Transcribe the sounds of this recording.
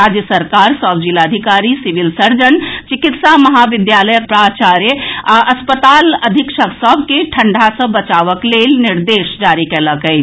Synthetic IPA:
aːd͡ʒjəsəɾkaːɾsɔːbd͡ʒilaːd̪ʱikaːɾisɪʋɪlsəɾd͡ʒənt͡ʃɪkɪt̪samɐɦaʋɪd̪jaːləjək̚pɾaːt͡ʃaːɾjəɐspət̪aːlɐd̪ʱɪkʃəksɔːbkeʈʰə̃ɳɖʱasə̃bət͡ʃaːʋəkleːlnɪɾd̪eːʃd͡ʒaːɾikeləkəi

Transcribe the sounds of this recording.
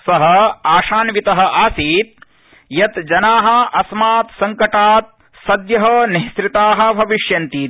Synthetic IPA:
sɐɦɐ̆aːʂaːnʋit̪ɐɦɐ̆ʔaːsiːt̪̚ | jɐt̪d͡ʒɐnaːɦɐ̆ɐsmaːt̪sɐŋkɐʈaːt̪̚ | sɐd̪jɐɦɐniɦsɾit̪aːɦɐ̆bʱɐʋiʂjɐnt̪iːt̪

